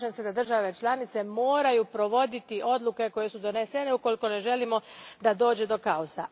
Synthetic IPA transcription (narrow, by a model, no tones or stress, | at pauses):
t͡ʃensed̪ad̪r̩ʒaʋe̞t͡ʃlˠanit̪se̞mo̞ːɾajupɾo̞ʋo̞d̪it̪iʔo̞d̪lˠuke̞ko̞je̞sud̪o̞nesene̞uko̞liko̞ne̞ʒe̞limo̞d̪ad̪o̞ːd͡ʑed̪o̞kaosa